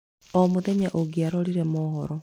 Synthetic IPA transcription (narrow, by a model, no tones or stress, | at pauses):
omuðeɲaʔoɡiaɾoɾiɾemoːhɔ̰ɾo